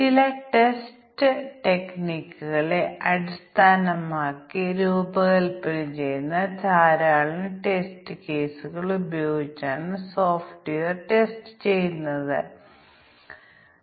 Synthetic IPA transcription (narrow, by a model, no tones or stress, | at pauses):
t͡ɕilɐʈe̞sʈɨʈe̞kniːkʲːuɣɐɭe̞ʔɐɾist̪ʰaːnɐmaːkːiɾuːbɐɣɐlpɐlit͡ɕe̞junːɐt͡ɕaːɾaːɭinɨʈe̞stɨke̞ːsuɣɐɭubɐjo̞ːɡit͡ɕːaːɳɨso̞ːfʈijɐrʈe̞sʈɨ̥t͡ɕe̞junːɐðɨ̰